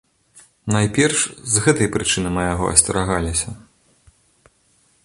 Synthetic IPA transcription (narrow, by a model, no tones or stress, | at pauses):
najpʲɛrʂzɣɛt̪ɐjpɾɨt͡ʂɨnɨmɐjaɣɔ̰ʔɐ̰sʲtʲɐɾaɣalʲisʲɐ